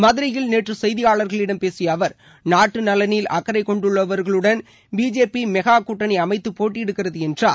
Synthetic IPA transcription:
mɐðɪɾɐjɪlneːʈrɯsɛjðɪjaːɭɐɾɣɐɭɪɽɐmpeːsɪjɐːʋɐɾ | naːʈːɯnɐlɐniːlʔɐkːɐɾɐɪkːɔɳɖɯɭːɐʋɐɾɣɐɭɯɽɐn | biːd͡ʒeːpimɛɣaːkuʈːɐnɐɪɐmɐɪt̪ːɯpːoːʈːɪɪɽɯkːɪrɐðɯɛndraː

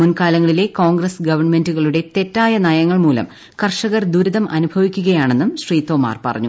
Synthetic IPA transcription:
munkaːlɐŋːɐɭile̞koːŋɡrɐsɡɐʋɐrɳme̞nduɣɐɭuɽe̞t̪e̞tːaːjɐnɐjɐŋːɐɭmuːlɐ̰m | kɐrʂɐɣɐrd̪uɾuðɐmʔɐ̰nubʱɐʋikʲːuɣɐjaːɳe̞nːumɕriːt̪o̞ːma̰ːrpɐ̰rɐ̰ɲːu

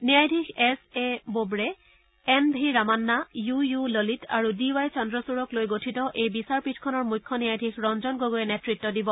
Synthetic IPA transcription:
nijajdʱixɛsebobɹɛ | ɛnbʱiɹamanːajujulolitʰaɹudiwajt͡ʃɔndɹɔsuɹɔklojɡotʰitɔʔejbisaɹpitʰkʰɔnɔɹmujkʰːɔnijajdʱixɹɔnzɔnɡoɡojɛnɛtɹitːɔdibɔ

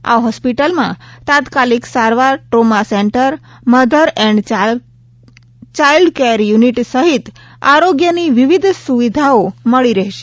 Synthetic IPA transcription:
a̰ɦɔspiʈəlmãt̪ãt̪kaliksaɾʋaɾʈɾomaseɳʈəɾməd̪ʱəɾɛɳɖ | t͡ʃailɖkeɾjuniʈsəɦit̪ | aɾoɡjəniʋiʋid̪ʱsuʋid̪ʱaoməɭiɾəɦʃe̥

